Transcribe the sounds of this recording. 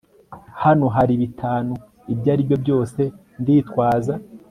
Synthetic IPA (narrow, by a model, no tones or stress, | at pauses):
hano̞ɦaɾiβitʰaːnu | ibɟaːɾibjo̞bjo̞ːse̞ | ndiːtwaːza